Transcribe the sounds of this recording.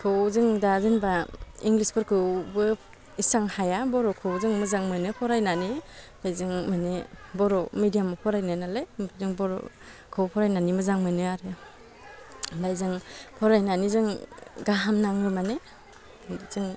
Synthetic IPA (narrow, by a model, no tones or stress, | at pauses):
kʰɯwzɯŋdazɯnbaiŋlispʰɯɾkʰɯwbɯ | isaŋhajabɔɾɔkʰɯwzɯŋmɯzaŋmɯnɯpʰɔɾajnani | dajzɯŋmanebɔɾɔmidijamɔpʰɔɾajnanalajpʰzɯŋbɔɾ̰ | kʰɯwpʰɔɾajnanimɯzaŋmɯnɯaɾɯ | dajzɯŋpʰɔɾajnanizɯŋɡaɦamnaŋɯmane | zɯŋ